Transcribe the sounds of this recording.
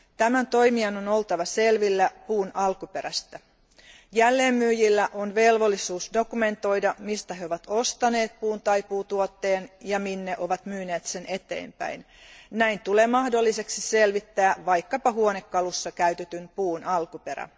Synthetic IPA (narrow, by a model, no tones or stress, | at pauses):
t̪æmænt̪o̞jmiɑno̞no̞lt̪ɑʋɑse̞lʋilːæpuːnɑlkupe̞ɾæst̪æ | jælːe̞ːmːyːjilːæʔonʋe̞lʋo̞lːisuːsdo̞kume̞nt̪o̞jdɑmist̪æɦeoʋɑt̪o̞st̪ɑne̞ːt̪̚puːnt̪ɑjpuːt̪uot̪ːe̞ːnjɑminːeʔo̞ʋɑt̪myːne̞ːt̪se̞nʔe̞t̪e̞̰ːmpæ̰jn | næjnt̪ule̞ːmɑhdo̞lːise̞ksise̞lʋit̪ːæːʋɑjkːɑpɑɦuonekːɑlusːɑkæyt̪et̪ympuːnɑlkupe̞ɾæ̰